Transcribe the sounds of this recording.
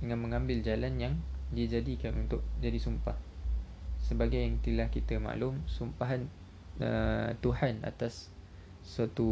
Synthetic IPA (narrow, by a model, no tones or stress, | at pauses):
dəŋãnməŋãmbɪld͡ʒalanjaŋdid͡ʒadikanunt̪ʊʔ̚d͡ʒadisumpah | səbaɡajaŋt̪ilahkit̪əma̰ʔlʊmsumpaɦan | ət̪uhana̰t̪asː | uat̪u